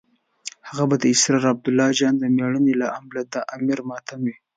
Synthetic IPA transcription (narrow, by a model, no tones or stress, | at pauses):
haɣabad̪əɪsɾɑɾab̚d̪ʊlːɑd͡ʒɑnd̪əmeɽənelaʔamlad̪əʔamiɾmɑt̪amwi